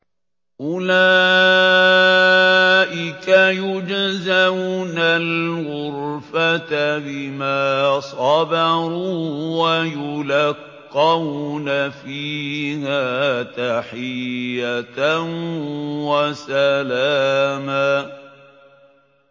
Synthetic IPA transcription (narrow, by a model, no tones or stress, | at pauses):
ʔʊlaː | ʔɪkajʊd͡ʒazaunalɣʊɾfat̪abɪmaːsˤɑbɑɾuwajʊlaqːɑwnafiːhaːt̪aħɪjːatnwasalaːma